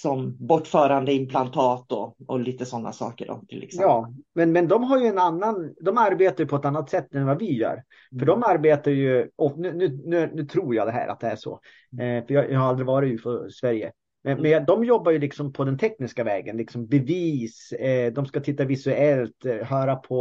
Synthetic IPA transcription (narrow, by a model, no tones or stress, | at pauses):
sɔmbɔʈːfœːɾand̪əɪmpʰlant̪ʰɑːt̪ɔɔliːt̪əsɔnːa̰sɑ̰ːkə̰ɖɔ̰t̪ʰɪ̰lːɛ̰ksjɑːmɛnmɛnd̪ɔmɦaɾjɵɛnanːand̪ɔmaɾbeːt̪ajɵpʰɔɛt̪anːat̪sɛt̪ːɛnvavɪjœ̰ːɾ | fœɖɔmaɾbeːt̪aɾjɵʔɔnʉːnʉ̟ːnʉ̟ːnʉ̟ːt̪ʰɾuːɾjɑd̪ɛɦæ̰ːɾʔa̰t̪̚d̪ɛæʂɔ̰ | fœjɑjʔɑhaɾald̪ɾɪvɑːɾɪt̪ʉːfɔsvæɾjə̰ | mɛnmɛnjɑd̪ɔmjɔbːaɾjɵlɪksɔmpʰɔd̪ɛnt̪ʰɛknɪskavɛːɡənlɪksɔmbɛviːsd̪ɔmskat̪ʰɪt̪ːavɪsʉɛlt̪ɦœːɾapʰɔ